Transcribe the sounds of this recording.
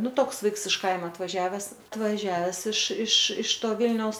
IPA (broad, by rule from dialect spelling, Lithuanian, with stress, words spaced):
ˈnʊ ˈtoːks ˈʋɐɪks ɪʃ ˈkɐɪmɐ ɐtʋɐˈʒʲæːʋʲɛs ɐtʋɐˈʒʲæːʋʲɛs ɪʃ ɪʃ ɪʃ ˈtoː ˈʋʲɪlʲnʲɛʊs